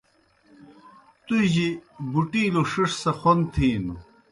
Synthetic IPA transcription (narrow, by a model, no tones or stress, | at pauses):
t̪uʑibuʈiːloʂiʂsɐxont̪ʰiːnu